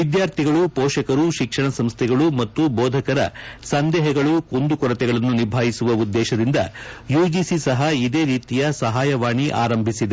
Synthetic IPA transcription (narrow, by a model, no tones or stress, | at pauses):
ʋid̪jaːɾt̪ʰiɡɐɭupɔːʃɐkɐɾuʃikʂɐɳɐsɐmst̪ʰɛɡɐɭumɐt̪ːubɔːd̪ʱɐkɐɾɐ̰sɐnd̪ɛːɦɛɡɐɭukond̪ukɔɾɐt̪ɛɡɐɭɐnːuniɾbʱaːjisuʋɐud̪ːɛːʃɐd̪ind̪ɐ̰juːd͡ʒisisɐɦɐid̪e̞ːɾiːt̪ijɐsɐɦaːjɐʋaːɳiʔa̰ːɾɐmbʱisid̪e